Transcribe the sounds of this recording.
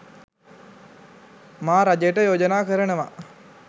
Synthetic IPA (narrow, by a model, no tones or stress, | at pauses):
maːɾad͡ʒəjʈəjoːd͡ʒənaːkəɾənəʋa̰